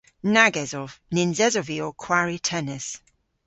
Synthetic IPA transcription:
naɡɛzɔvnɪnzɛzɔviɔkʰw̥aɹitʰɛnɛs

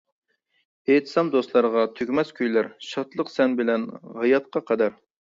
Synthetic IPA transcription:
eːt̪ʰɨ̥sɑmd̪ost̪lˠɑɾəʁɑt̪ʰøkʲmɛskʲʰyjlæɾʃɑt̪lˠəqsɛnbɪlɛnʁɑjɑt̪̚qʰɑqʰɑd̪æɾ

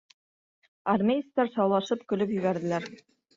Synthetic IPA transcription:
ɐrmʲejist̪æɾsɑwlˠɑʃɤpkɵ̆lɵpjɵ̆βæɾðɘ̆læɾ

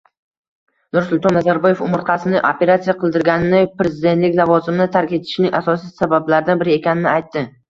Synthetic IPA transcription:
nʊɾsʊlˠt̪ɒnːazaɾbɒjefʊmɪɾqʰɑsɪnɪʔope̞ɾat̪sijaqʰɨlˠd̪ɪɾɡʲanɪnɪpɾe̞zɪd̪et̪lɪkʲlˠavɒzɪmnɪt̪ʰaɾkʲe̞t̪ʰɪ̥ʃnɪŋʔasɒs̬ijsabablaɾɪd̪anbɪɾɪe̞kʲʰanɪnɪajt̪ːɪ

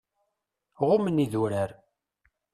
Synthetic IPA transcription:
ʁʊməniðuɾəɾ

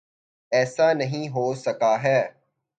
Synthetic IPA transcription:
ɛːsanɐɦĩːɦoːsɐkaɦɛː

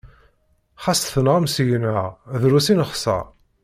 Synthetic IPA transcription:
χɑsθənʁəmsʝənæðɾusinəχsə̰

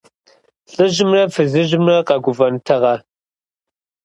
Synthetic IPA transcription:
ɬʼɨʑɪmrɐfɨzɨʑɪmrɐqɐɡʷʊvɐntʰɐʁɐ

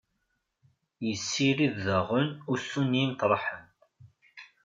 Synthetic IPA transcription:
jəsːiɾiððəʁənʊɾsunjint̪ɾˤħən

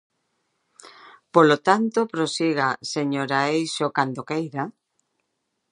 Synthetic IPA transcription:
polot̪ant̪opɾosiɣaseɲoɾaejʃokand̪okejɾa

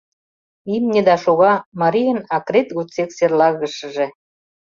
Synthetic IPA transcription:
imnʲĕd̪ɑʃoɣɑmɑɾijənɑkɾet̪ɣut͡sekserlɑɣə̆ʃə̆ʒĕ

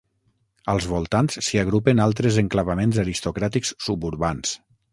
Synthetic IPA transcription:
əlˠzβolˠt̪ansːiəɣɾupenalˠt̪ɾezəŋklaβamenzaɾist̪okɾat̪ikssubuɾβans

